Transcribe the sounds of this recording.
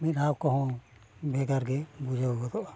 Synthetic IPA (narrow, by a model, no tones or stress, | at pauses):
minawkɔɦɔ̃bʱɛɡaɾɡɛbud͡ʒʱauɡɔd̪ɔʔa